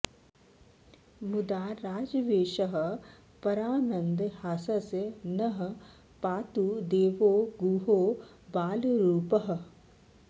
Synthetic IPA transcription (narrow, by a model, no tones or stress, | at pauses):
mud̪aːɾaːd͡ʒʋeːʃɐɦ̆ | pɐɾaːnɐ̃nd̪haːsɐsnɐɦ | paːt̪ud̪eːʋoːɡuːɦoː | baːlɾuːpɐɦ̆